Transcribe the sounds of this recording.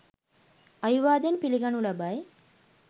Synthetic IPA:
ɐjuʋaːd̪enpiliɡɐnulɐbaːje

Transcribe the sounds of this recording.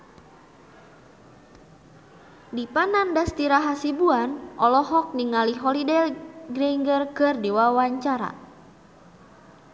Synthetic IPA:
dipanandast̪iɾaɦasibuanʔɔlɔɦɔk̚niŋaliɦɔlidɛlɡɾɛiŋɡərkɨrdiwawaɲt͡ʃaɾa̰

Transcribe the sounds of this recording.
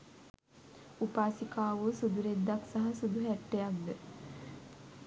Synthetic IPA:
upaːsikaːʋosud̪uɾed̪ːaksaɦasud̪uɦæʈːejak̚d̪ə

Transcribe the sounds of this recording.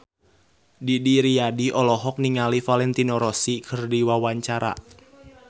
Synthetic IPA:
didiɾiadiʔɔlɔɦɔk̚niŋalifalɛnt̪inɔɾɔsikʰərdiwawaɲt͡ʃaɾa̰

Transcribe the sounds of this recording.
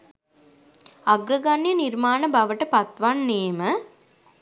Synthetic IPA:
aɡɾəɡanjənirmaːnəbaʋəʈəpat̪ʋanːeːmə

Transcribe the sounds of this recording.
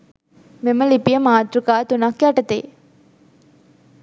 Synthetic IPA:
meməlipijəmaːt̪ɾukaːt̪unakːiaʈət̪ḛː

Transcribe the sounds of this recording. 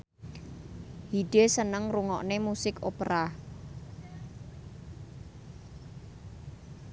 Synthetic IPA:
hiɖ̥esənəŋruŋɔʔnemusɪkopɾa

